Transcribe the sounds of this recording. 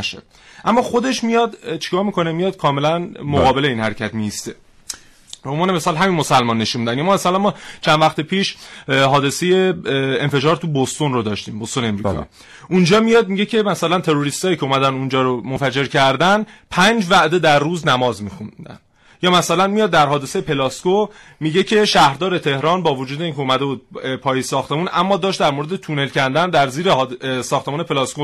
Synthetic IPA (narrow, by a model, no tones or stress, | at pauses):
ʃḛ̥ | ʔæmːɒːxo̞d̪e̞ʃmijɒd̪t͡ʃʰi̥kʰɒːɾmiːkʰo̞nemijɒd̪̚kʰɒːme̞lænmoɣɒːbe̞le̞iːnhæɾecʰæt̪miist̪e̞ | bomvɒːneme̞sɒːlɦæminmo̞sælmɒnːe̞ʃunmid̪ænjɒmɒːmæsælænmɒːt͡ʃʰænvæxt̪epʰiːʃɦɒːd̪e̞se̞je̞enfe̞d͡ʒɒːɾt̪ʰubost̪onrod̪ɒːʃt̪iːmbost̪oneemɾiːkʰɒ̰ | ʔund͡ʒɒːmijɒd̪̚miɟe̞cʰe̞mæsælænt̪ʰe̞ɾoɾist̪ɒːjiːcʰeumæd̪ænund͡ʒɒːɾomonfæd͡ʒe̞ɾcʰæɾd̪ænpʰænd͡ʒvæʔd̪e̞d̪æɾːuːznæmɒːzmiːxund̪æ̰n | jɒːmæsælænmijɒːd̪ːæɾɦɒːd̪e̞se̞jepʰe̞lɒskomiɟe̞cʰe̞ʃæhɾd̪ɒːɾe̞t̪ʰe̞hɾɒːnbɒːvod͡ʒuːd̪e̞iːncʰe̞omæd̪e̞buːd̪̚pʰɒːjesɒːxt̪e̞munʔæmːɒːd̪ɒːʃt̪̚d̪æɾmoɾed̪et̪ʰune̞lcʰænd̪ænd̪æɾziːɾehdsɒːxt̪e̞muːne̞pʰe̞lɑsko